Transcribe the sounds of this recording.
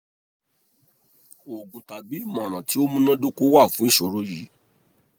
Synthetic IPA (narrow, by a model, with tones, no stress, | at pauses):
o˨ɡũ˨ta˨ɡ͡bi˨˦˨mã˨ɾ̃ã˨ti˨˦o˦mũ˧nã˦dũ˦ko˦wa˦˨fũ˨˦i˦˨ʃo˨˦ɾo˦ji˨˦